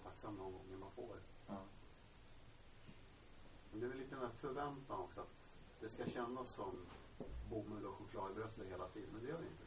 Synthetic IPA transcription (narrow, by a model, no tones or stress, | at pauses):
t̪ʰaksamːnɔnɡɔ̰ŋːəmanfo̰ːɾ | mɛnd̪ɛvɪliːt̪əmæːfœɾvɛnt̪anɔksɔat̪ | d̪ɛskaɕɛnːasːɔm | bumːʉɔɧʊkʰlɑːd̪əbɾœst̪əɦeːlat̪ʰiːd̪ənmɛnd̪ɛjœːɖɛɪ̰nt̪ə